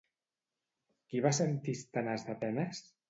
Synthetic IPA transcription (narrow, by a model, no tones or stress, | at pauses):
kiβasent̪ist̪anazðapɛnəs